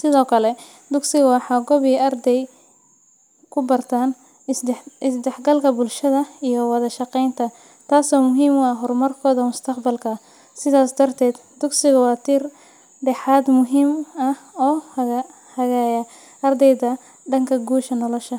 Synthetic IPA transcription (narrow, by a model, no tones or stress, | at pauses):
sɪðɔːkʰɐlɛ | d̪ʊɡsɪɣɐwɑħɑːɡɔβɪʔɐrd̪ɛj | kʰʊbɐrt̪ʰaːn | ɪsd̪ɛħɡɐlkʰɐbʊlʃɐðɐijɔwɑðɐʃɑqɛjnt̪ʰɐ | t̪ʰaːsɔːmʊɦiːmwɑɦɔrmɐrkʰɔːðɐmʊst̪ʰɐqbɐlkʰɐ | sɪðaːsd̪ɐrt̪ʰɛːd̪d̪ʊɡsɪɣɐwɑːt̪ʰiːr | ɖɛħaːd̪mʊɦiːmɐɔːh | hɐɣaːjɐ | ʔɐrd̪ɛjðɐ | ɖɐŋkʰɐɡuːʃɐnɔlɔʃɐ